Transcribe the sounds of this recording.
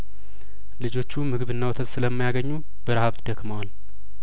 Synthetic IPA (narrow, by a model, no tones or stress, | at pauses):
lɨd͡ʒo̞t͡ʃːumɨɡɨβɨnːawɔt̪ʰət̪sɨləmːajaɡəɲːu | bəɾahaβt̪d̪əkməwal